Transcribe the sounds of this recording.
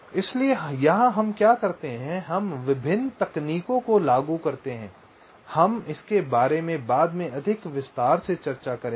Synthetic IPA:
ɪsliejɐɦãɦɐmkjaːkɐɾt̪eɦɛ̃ɦɐmʋɪbʱɪnːt̪ɐkniːkõkolaːɡukɐɾt̪eɦɛ̃ː | hɐmɪskebaːɾemẽbaːd̪mẽɐd̪ʱɪkʋɪst̪aːɾset͡ʃɐɾt͡ʃakɐɾẽː

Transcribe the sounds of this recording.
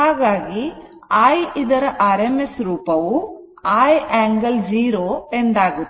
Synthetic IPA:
aːɡaːɡi | aːjid̪ɐɾɐʔɐɾemesɾuːpɐʋu | aːjeːŋɡɐld͡ʒiːɾoːend̪aːɡu

